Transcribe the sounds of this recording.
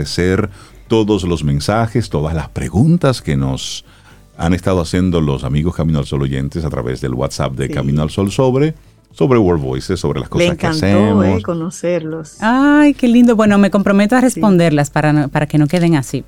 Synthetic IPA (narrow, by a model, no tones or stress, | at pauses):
eseɾt̪o̞ðozlozmẽ̞nsaxest̪o̞ðazlaspɾḛɣunt̪aske̞no̞s | a̰nest̪aðoasje̞nd̪olo̞samiɣoskamĩnoalso̞lo̞ʝḛnt̪esat̪ɾa̰βe̞̰zðḛlɣwa̰t̪sa̰p̚d̪ekamĩnoalsolsoβɾe | soβɾewoɾdβo̰jsesːo̞βɾelʔa̰skosasŋskasemoskonoseɾlosajkelind̪obwe̞no̞me̞ko̞mpɾo̞me̞t̪oarespo̞nd̪e̞ɾlaspaɾanopaɾake̞no̞ke̞ðeŋasi